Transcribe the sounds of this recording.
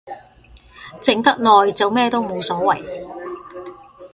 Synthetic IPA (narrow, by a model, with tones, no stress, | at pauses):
t͡sɪ˨˥ŋt̪ɐ˥k̚nɔː˨jt͡sɐ˨˧wmɛː˥˧t̪o˥wmo˨˧wsɔː˨˥wɐ̰˨˩j